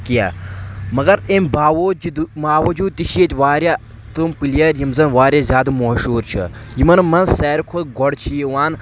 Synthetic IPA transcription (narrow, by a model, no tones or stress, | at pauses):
kija̰mɐɡɐɾemʲbaːʋoːd͡ʒid̪umaːwɐd͡ʒuːd̪̚t̪iʃeːt̪ʲʋaːɾja | t̪umpilijɐɾjimzɐnʋaːɾʲjazʲjaːd̪ɨmoːʃuːɾt͡ʃʰɐ̰jimɐnmɐnsɛːɾkʰot̪ɡɔɽt͡ʃʰijiʋaːn